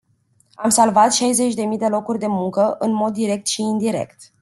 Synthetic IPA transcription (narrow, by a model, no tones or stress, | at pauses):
amsalvat̪ʃajze̞t͡ʃʲd̪e̞mijd̪e̞lo̞kurʲd̪e̞muŋkəʔɨnmo̞d̪ːiɾe̞k̚t̪ʃiːnd̪iɾe̞̰kt̪